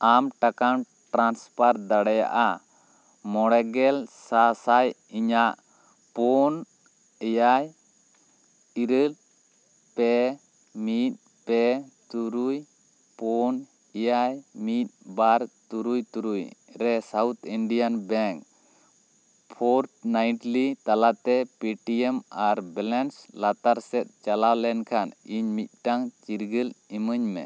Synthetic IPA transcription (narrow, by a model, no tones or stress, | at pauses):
amʈakan | ʈɾanspaɾd̪aɽɛja̰ʔa | mɔɽɛɡɛlsasaj | iɲaʔ | pɔn | ɛjaj | iɾəl | pɛ | mit̪̚ | pɛt̪uɾuj | pɔn | ijajmit̪̚baɾt̪uɾujt̪uɾujɾɛsawt̪ʰiɳɖijanbɛŋk | pʰɔɾʈnajʈlit̪alat̪ɛpiʈiɛmaɾbɛlɛnslat̪aɾsɛt̪̚t͡ʃalawlɛnkʰaniɲmit̪̚ˀʈaŋt͡ʃiɾɡəliməɲmɛ̰